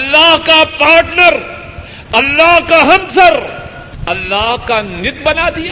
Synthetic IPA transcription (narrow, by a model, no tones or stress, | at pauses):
ɐlːaɦkapaːɾʈnəɾ | ɐlːaɦkaɦɐ̃msɐɾ | ɐlːaːɦkanɪt̪̚bɐnad̪ijaː